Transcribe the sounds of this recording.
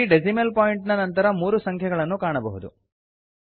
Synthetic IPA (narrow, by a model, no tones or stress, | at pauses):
iɖed͡ʒimelpoːjiɳʈnɐnɐnt̪ɐɾɐmuːɾusɐŋkʰjɐɡɐɭɐnːukaːɳɐbɐɦud̪ṵ